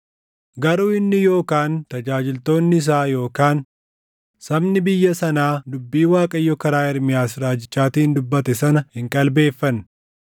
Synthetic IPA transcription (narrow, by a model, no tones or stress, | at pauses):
ɡɐɾuːɪnːɪjo̞ːkaːnt̪ɐd͡ʒaːd͡ʒɪlt̪o̞ːnːɪɪs̬aːjo̞ːkaːn | sɐbnɪbɪjːɐsɐnaːd̪ʊbːiːwaːkʼɐjːɔkɐɾaːɪɾmɪjaːsɾaːd͡ʒɪt͡ʃʼːaːt̪iːnd̪ʊbːɐt̪ɛsɐnɐhɪŋkʼɐlbe̞ːfːɐn